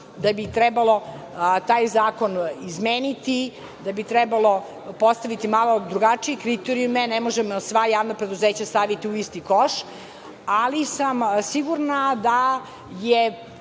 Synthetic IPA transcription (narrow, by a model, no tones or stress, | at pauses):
d̪abit̪ɾɛbalˠo̞ | t̪aːjzaːko̞nizmeːnit̪i | d̪abit̪ɾɛbalˠo̞ | po̞st̪aʋit̪imalˠo̞d̪ɾuɡat͡ʂijekɾit̪eɾijumenɛmo̞ʒemsʋajaːʋnapɾed̪uzeːt͡ɕast̪aʋit̪iuist̪ikoʃ | alisamsiɡuɾnad̪a | je